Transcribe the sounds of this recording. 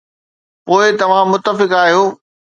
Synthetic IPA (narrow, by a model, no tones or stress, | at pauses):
poːɪt̪ɐʋ̤ãmʊt̪ːəfɪkaːɦijoː